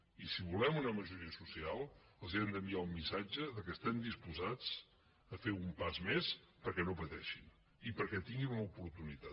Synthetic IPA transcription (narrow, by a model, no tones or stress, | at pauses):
isiβulɛmunəməʒuɾiəsusialˠəlˠziɛmd̪əmbiaummːisad͡ʒəðəkɛst̪ɛmd̪ispuzad͡z | əfeumpazmespəɾkɛnopət̪ɛʃin | ipəɾkɛt̪iŋɡinunəupuɾt̪unit̪a